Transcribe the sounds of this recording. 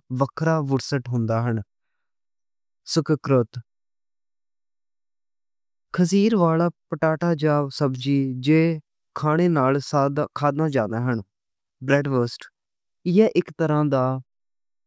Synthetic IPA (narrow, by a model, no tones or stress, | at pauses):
ʋəkʰɾaːʋəʈsəʈɦʊnd̪aːɦəɳ | sʊkkɾət̪ | kʰəsiːɾʋaːlaːpəʈaːʈaːd͡ʒaːsəbd͡ʒiːd͡ʒeː | kʰaːɽeːnaːlsad̪kʰaːd̪nãːd͡ʒãːd̪aːɦəɳ | bɾɛːɖʋəːsʈ | ɪjɛːʔɪkt̪əɾãːd̪aː